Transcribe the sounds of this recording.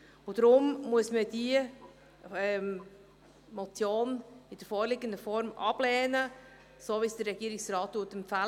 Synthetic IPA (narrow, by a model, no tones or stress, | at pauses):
ʊd̥ɾʊmmuəsməd̥iə | ɛm | mɔt͡sjoːnɪd̥əɾfɔːɾlɪɡəndəfɔɾmʔɑb̥lɛːnə | soːvisd̥əɾɾɛɡiəɾɪksrɑːtːuːtɛmfæ